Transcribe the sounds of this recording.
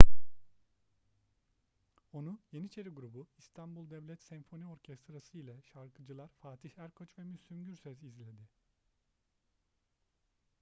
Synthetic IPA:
o̞nuje̞nit͡ʃʰe̞ɾiɡuɾubuist̪ʰanbulˠd̪ɛvlʲɛt̪sɛɱfo̞nio̞ɾcʰɛst̪ɾasɯjlʲɛʃaɾkʰɯd͡ʒɯlˠaɾfaːt̪ʰihhæɾkʰøt͡ʃvɛmysymɟyɾsøzizlʲe̞d̪ɪ

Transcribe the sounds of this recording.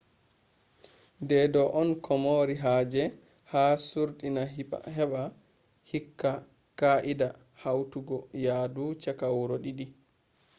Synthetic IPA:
dɛdɔʔɔnkʰɔmoɾiɦaːd͡ʒɛ | haːsuɾɗinaḭhɛɓa | hikːa | kaʔida | hawtuɡɔjaːdut͡ʃakawɾɔɗiɗi

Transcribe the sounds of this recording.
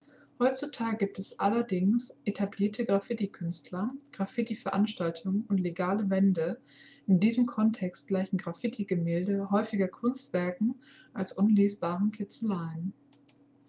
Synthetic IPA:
hɔʏt͡sutʰaːɡəɡiːp̚tɛsʔalɐdɪŋsʔetʰabliːɐtʰəɡʁafɪtikʰʏnstʰlɐɡ̥ʁafɪtifɛɐʔanʃtaltʰʊŋʊntleɡaːləvɛndə | ɪndiːzəmkʰɔntʰɛkst̚ɡ̥laɪçn̩ɡʁafɪtʰiɡəmeːldəɦɔʏfɪɡɐkʰʊnstv̥ɛɐkŋ̩ | ʔalsʔʊnleːsb̥aːʁn̩kʰɪt͡səlaɪən

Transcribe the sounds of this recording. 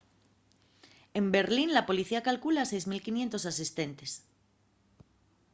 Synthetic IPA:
e̞mbe̞ɾlinlapo̞liθiakalkulasejzmilkinje̞nt̪o̞sasist̪e̞nt̪es

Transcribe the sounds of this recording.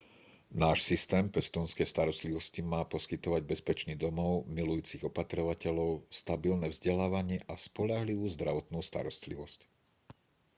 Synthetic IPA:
naːʃsist̪ɛːmpɛst̪unskɛjst̪aɾɔst̪liʋɔscimaːpɔskit̪ɔʋaɟ̚bɛspɛt͡ʃnid̪ɔmɔʊmilujuːt͡siɣɔpat̪ɾɔʋacɛʎɔʊst̪abilnɛvzɟɛlaːʋaɲɪɛʔaspɔʎaɦliʋuːzd̪ɾaʋɔt̪nuːst̪a̰ɾɔst̪liʋɔsc

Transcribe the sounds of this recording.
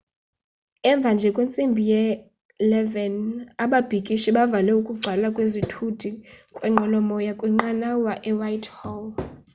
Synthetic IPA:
ɛɱb̪vʱand͡ʒʱɛkʼwent͡sʼimbʱijɛ | lɛvɛnaɓab̥ʱikʼiʃiɓavalɛukʼuɡ͡ǀʱalakʼwezitʰud̥ʱikʼwɛŋ͡ǃʱɔlɔmɔjakʼwiŋ͡ǃanawaʔɛwajtʰʼhɔl

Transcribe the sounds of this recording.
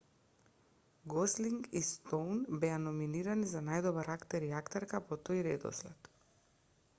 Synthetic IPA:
ɡɔsliŋɡist̪ɔwnbɛanɔminiɾanizanajd̪ɔbaɾakt̪ɛɾiakt̪ɛɾkapɔt̪ojɾɛd̪ɔ̰slɛt̪

